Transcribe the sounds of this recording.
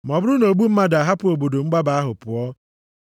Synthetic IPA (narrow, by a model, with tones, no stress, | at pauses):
m˨ɔ˨bʊ˦ɾʊ˦no˨ɡ͡bu˦m̩˦ma˦da˨ɦa˦pʊ˨o˨bo˨do˨ŋ͡m̩˦ɡ͡ba˦ba˨a˦ɦʊ˨pʊ˨ɔ˦